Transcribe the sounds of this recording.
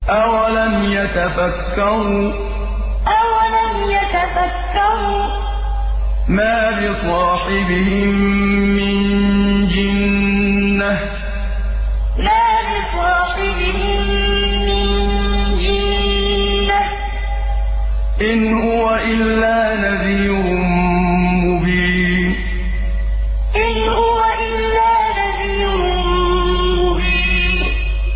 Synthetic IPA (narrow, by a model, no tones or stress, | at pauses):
ʔawalamjat̪afakːaɾu | ʔawalamjat̪afakːaɾuː | maːbɪsˤɑːħɪbɪhɪmːɪnd͡ʒɪnː | ah | maːbɪsˤɑːħɪbɪhɪmmɪnd͡ʒɪnː | a | ʔɪnhhʊwaʔɪlːaːnavij | ɾʊmmʊbiː | n | ʔɪn | hʊwaʔɪlːaːnabij | ʊnː | mʊbiːnn